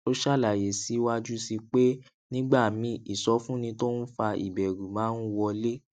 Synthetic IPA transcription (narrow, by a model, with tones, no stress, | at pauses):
o˦ʃa˦˨la˨je˨si˨˦wa˦d͡ʒu˦si˧k͡pe˦ | nĩ˦ɡ͡ba˦˨mĩ˨˦i˨sɔ˨˦fũ˦nĩ˧to˦nũ˦fa˧ḭ˨bɛ˨ɾu˨mãː˨˦n̩˦wɔ˧le˦